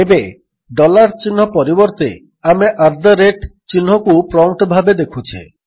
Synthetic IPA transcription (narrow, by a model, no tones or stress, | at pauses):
ebe | ɖɔlaɾt͡ʃinɦɔpɔɾibɔɾt̪ḛ | ameʔaɾd̪ʱəɾeʈt͡ʃinɦɔkupɾɔwʈɔbʱabed̪ekʰut͡ʃʰḛ